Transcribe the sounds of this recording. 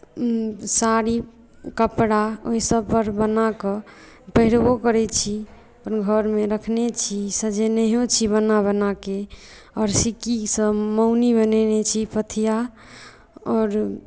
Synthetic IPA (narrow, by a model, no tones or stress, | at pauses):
saɾi | kəpɽaoɦisəb̚pəɾbənakɔ | pəɦiɾbokəɾɛt͡ʃʰi | pənɡʱəɾmeɾəkʰnet͡ʃʰisəd͡ʒenɛɦot͡ʃʰibənabənake | ɔɾsikisəməʊnibənɛnet͡ʃʰipət̪ʰija | ɔːɾ